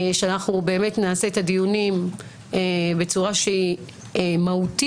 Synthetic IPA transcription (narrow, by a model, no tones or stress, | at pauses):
ʃeanaχnube̞ːme̞tnaːse̞et̪adijunim | ebe̞t͡suʁaʃei | mahuti